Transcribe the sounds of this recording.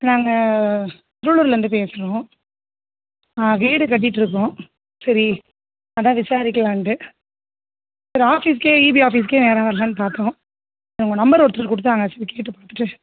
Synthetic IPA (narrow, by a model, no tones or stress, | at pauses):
naːŋɡɐ | t̪ɪɾʊɭɯɾɪlɛɾnd̪ɯpeːsɯɾõː | ãːkeːɽɯkɐʈ̬ːɪʈːɯɾɯk̬ːõ | sɐɾi | ɐðãːʋɪsaːɾɪkːɐlãːɳʈɯ | sɐɾiaːfiːs̬keːiːbiaːfiːs̬keːneːɾãːʋɐɾɐlãːnɯpaːɾt̪õː | ɐʊŋɡɐnɐmbɐɾɔɾt̪ːɾɯɯkːʊɽɯt̪ːaːŋɡɐsɐɾikeːʈ̬ːɯpaːt̪ːɯʈːɯ